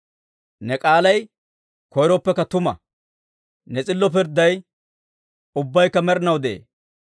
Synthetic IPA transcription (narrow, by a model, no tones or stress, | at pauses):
nɛkʼaːlɐj | kɔjɾɔpːɛkːɐt̪ʊmɐ̰ | nɛt͡sʼɪlːɔp̬ɪɾd̪ːɐj | ʊbːɐjkːɐmɛɾɪnɐwd̪eḛː